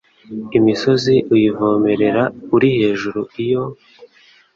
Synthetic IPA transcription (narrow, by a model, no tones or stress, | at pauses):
imiso̞ziʔujivo̞ːme̞ɾe̞ɾauɾihe̞ːʒuɾuijo̞